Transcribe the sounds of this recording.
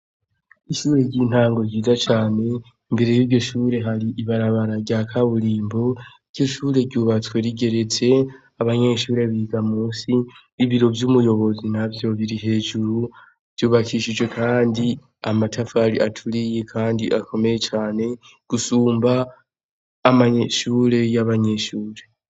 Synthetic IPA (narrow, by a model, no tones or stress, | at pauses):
iʃuːɾe̞ɟiːn̥haːŋɡo̞ɾɟiːzat͡ʃaːne̞ | imbe̞ɾe̞jiɟo̞ʃuːɾe̞ɦaɾiʔiβaɾaβaɾaɡɟakʰaβuɾiːmbo̞iɡ̥jo̞ʃuːɾe̞ɾɟuːβat͡swe̞ɾiɡe̞ɾe̞t͡se̞ | aβaɲe̞ːʃuːɾe̞βiːɡamuːsiː | βiɾo̞vjumujo̞βo̞zinavjo̞βiɾiɦe̞ːʒuɾu | v̥juːβakʰiʃid͡ʒwe̞kʰaːndi | amatʰafaɾiʔatʰuɾijekʰaːndiʔakʰo̞me̞je̞t͡ʃaːne̞ | ɡ̥usuːmbaː | maɲeʃuːɾe̞jaβaɲe̞ʃuːɾe̞